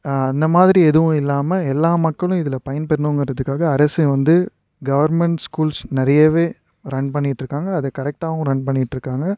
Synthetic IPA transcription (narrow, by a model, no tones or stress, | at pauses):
ɐnd̪ɐmaːðɪɾiɛðɯʋʊ̃ɪlːaːmɐɛlːaːmɐkːɐɭʊ̃ɪðɪlɐpɐjɐnpɛɾnoːŋɡɪɾɐðɯkːaːɣɐːɾɐsɛʋɐnd̪ɯ | ɡɐʋɐɾmɛɳʈskuːlsnɪɾɐjɐʋeː | ɾɐɳpɐɳːɪʈːrɯkːaːŋɡɐːðɐkɐɾɛk̚ʈaːʋʊ̃ɾɐɳpɐɳːɪʈːɾɯkːaːŋɡɐ